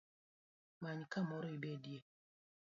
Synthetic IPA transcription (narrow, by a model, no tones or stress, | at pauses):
maɲkamɔɾɔibedje